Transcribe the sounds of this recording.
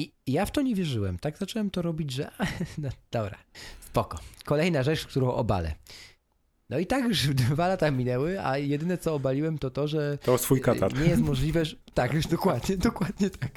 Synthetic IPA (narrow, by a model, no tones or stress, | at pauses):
ijaft̪ɔɲɛvʲjɛʐɘwɛmt̪aɡzat͡ʂɛwɛmt̪ɔɾɔbʲid͡ʑʐɛʔanɔd̪̥ɔbɾa̰spɔkɔkɔlɛjnaʐɛt͡ʂkt̪uɾɔ̃w̃ʔɔba̰lɛ̰ | nɔit̪akjuʂd̪valat̪amʲinɛwɘa̰jɛd̪ɘnɛt̪sɔːbalʲiwɛmt̪ɔt̪ɔʐɛt̪ɔst̪fujkaaɾɲɛjjɛst̪mɔʐlʲivɛt̪akjuʐd̪ɔkwad̪ɲɛd̪ɔkwad̪ɲɛt̪ʰak